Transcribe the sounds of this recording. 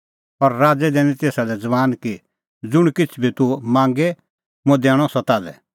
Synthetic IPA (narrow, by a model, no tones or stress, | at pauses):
ɔɾɾaːd͡zɛd̪ɛːñĩt̪eːsalɛd͡zɐʋaːnki | d͡zʊɽ̃kɪt͡sʰbʱit̪umãːŋɡɛ | mʊ̃d̪ɛːɽ̃ɔsɐt̪aːlɛ̰